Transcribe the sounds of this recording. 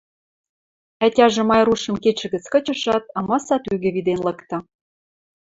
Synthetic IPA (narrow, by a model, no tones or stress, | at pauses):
ætʲɑʒĕmɑjruʃɤ̆mket͡ɕɘ̆ɣə̆t͡skɤ̆t͡ɕə̆ʃɑt̪̚ɑmɑsɑt̪yɣɘ̆βid̪enlɤ̆kt̪ɤ̆